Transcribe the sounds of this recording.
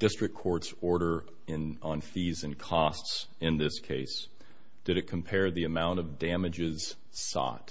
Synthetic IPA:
d̥ɪstɹ̥ɨk̚kʰːɔɹtsɔɹɾə˞ | ɪ̃nə̃nfizɨ̃nkʰɔsts | ɪ̃nðɪskʰeɪs | d̥ɨɾɨt̚kʰm̩pʰɛɹðiɨmãʊ̃ñʌvdæ̃mɨd͡ʒɪz̥ | sɑ̰t̚

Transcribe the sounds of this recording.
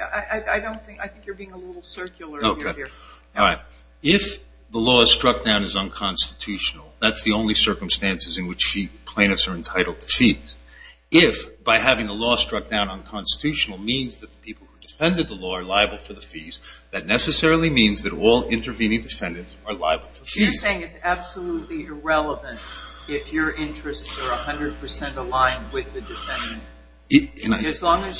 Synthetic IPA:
ʔaɪʔaɪaɪdõʊ̃nθɪ̃ŋkaɪθɪ̃ŋkjə˞biɪ̃ŋəlɪɾl̩ˠsɜ˞kjl̩ˠə˞oʊkʰeɪ | ɹaɪt̚ | ɪf | ðəlɔz̥stɹ̥ʌk̚d̥ãʊ̃nɨzə̃nkʰɑ̃nstɨtʰʉʃn̩l̩ˠðætsðiõʊ̃nlisɜ˞km̩stæ̃nsɨzɨ̃nwɨt͡ʃipʰl̥ẽɪ̃nɨtsə˞ɨ̃ntʰaɪɾl̩ˠd̚tʰɨ̥fiz̥ | ɪfb̥aɪɦævɪ̃ŋðəlɔstɹ̥ʌk̚d̥ãʊ̃nə̃nkʰɑ̃nstə̥tʰʉʃn̩l̩ˠmĩnzðɨt̪̚ðəpʰipl̩ˠhudɨfɛ̃ndɨd̪̚ðəlɔə˞laɪɨbl̩ˠfə˞ðəfizðɨtⁿnɛsɨsɛɹl̩ˠimĩnzðɨɾɔlˠɪ̃ntə˞vĩnɪ̃ŋdɨfɛ̃ndɨ̃ntsə˞la̰ɪəbl̩ˠfə˞fizseɪɪ̃ŋɨtsæb̥səlutˡliɪɹɛlˠəvɨ̃nt̚ | ɪfjə˞ʔɪ̃nt͡ʃɹ̥ɨstsə˞əhʌ̃ndɹɨd̚pʰə˞sɛ̃ntəlãɪ̃nwɪðɨdɨfɛ̃ndɨ̃n | ɨ̃nɨzlɔ̃ŋɨz

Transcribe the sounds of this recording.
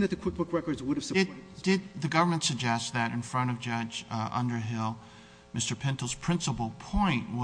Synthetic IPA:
ðɨt̪̚ðɨkʰw̥ɪkʰw̥ɪkɹɛkə˞dzwʊɾɨv̥sɪd̥ɪd̪̚ðɨɡʌvə˞mə̃ntsɨɡ̚d͡ʒɛst̪̚ðɨɾɨ̰̃nfɹʌ̃ɾ̃ʌvd͡ʒʌd͡ʒʔʌ̰̃ndə˞ɦɪlˠ | mɪstə˞pʰɛ̃ntl̩ˠz̥pʰɹ̥ɪ̃nsəpl̩ˠpʰɔ̃ɪ̃nʔwʌ

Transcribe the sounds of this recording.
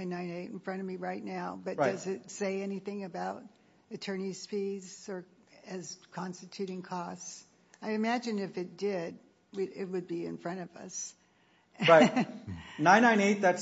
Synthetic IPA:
ãɪ̃nːãɪ̃neɪɾn̩fɹʌ̃ɾ̃ʌvmiɹaɪtⁿnaʊbʌt̚ɹdʌzɨtseɪɛniθɪ̃ŋɨbaʊɾ | ɨtʰɜ̃˞ni̥spiz̥ə˞ | ɨz̥kʰɑ̃nstɨtʰʉɾɪ̃ŋkʰɔsts | aɪɨmæd͡ʒɨ̃nɨfɨt̚d̥ɪd̚ | wɨɾɪt̚wɨd̚biɨ̰̃nfɹʌ̃ɾ̃ʌvʌ̰s | ɹaɪ | nãɪ̃nːãɪ̃neɪt̪̚ðæts

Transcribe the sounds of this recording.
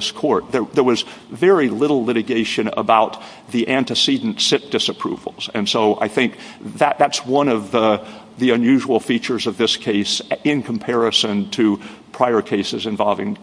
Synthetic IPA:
skʰɔɹt̪̚ðə˞ðə˞wʌz | vɛɹilɪɾl̩ˠlɪɾɨɡeɪʃɨ̃nə̰baʊt̪̚ | ðiʔæ̃ntɨsidⁿn̩tsɪp̚d̥ɪsɨpʰɹ̥ṵvl̩ˠz̥ɨ̰̃nsoʊʔa̰ɪθɪ̃ŋk̚ | ðɨʔ̪̚ðætswʌ̃nʌvðə | ðiɨ̃njʉʒəwl̩ˠfit͡ʃə˞zʌvðɪskʰeɪsɪ̃nkʰm̩pʰɛɹɨsɨ̃ntʰɨpʰɹ̥aɪə˞kʰeɪsɨzɨ̃ɱvɑlˠvɪ̃ŋ

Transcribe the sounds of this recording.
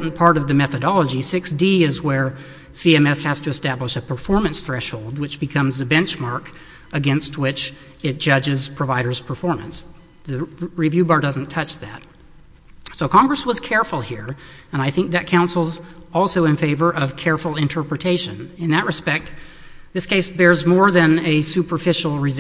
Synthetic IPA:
ʔn̩pʰɑɹɾʌvðɨmɛθɨɾɑlˠəd͡ʒisɪksd̥iɪzwə˞ | siɛ̃mɛshæz̥tʰɨɨstæbləʃɨpʰə˞fɔɹmɨ̃nsθɹɛʃhoʊlˠd̚wɨt͡ʃb̥ɨkʰʌ̃mzɨbɛ̃nt͡ʃmɑɹk | ɨɡɛ̃nst̚wɪt͡ʃ | ɨt̚d̥ʒ̥ʌd͡ʒɪz̥pʰɹ̥ɨvaɪɾə˞z̥pʰə˞fɔɹmɨ̃ns | ðɨɹivjʉbɑɹdʌzn̩tʰʌt͡ʃðæ̰t̚ | soʊkʰɑ̃ŋɡɹɨswʌz̥kʰɛɹfl̩ˠhiɹɨ̃ñaɪθɪ̃ŋk̚ðɨt̚kʰãʊ̃nsl̩ˠzɔlˠsoʊɨ̃nfeɪvə˞ʔʌv̥kʰɛɹfl̩ˠɪ̃ntʰɜ˞pɹɨtʰeɪʃɨ̰̃nɨ̃nðɨʔ̚ɹɨspɛk̚t̪̚ | ðɪskʰeɪsb̥ɛɹzmɔɹðɨ̃nɨsʉpə˞fɪʃl̩ˠɹɨz

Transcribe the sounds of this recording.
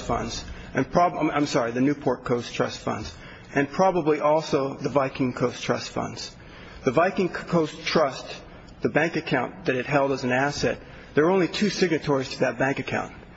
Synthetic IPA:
fʌ̰̃ndz̥ | ʔɨ̃npʰɹ̥ɑbãɪ̃msɑɹiðɨnʉpʰɔɹt̚kʰoʊstʰɹ̥ʌ̰stfʌ̰̃ndz̥ | ʔɨ̃npʰɹ̥ɑbəbliʔɔlˠsoʊðəvaɪkɪ̃ŋkʰoʊstʰɹ̥ʌ̰stfʌ̰̃ndz̥ | ðɨvaɪkɪ̃ŋkkʰoʊstʰɹ̥ʌs | ðɨbæ̃ŋkɨkʰãʊ̃nðɨɾɨt̚ɦɛlˠdɨz̃n̩æsɛ̰t̪̚ | ðə˞õʊ̃nlitʰʉsɪɡ̚nɨtʰɔɹiz̥tʰɨðɨt̚b̥æ̃ŋkɨkʰã̰ʊ̃nt̚

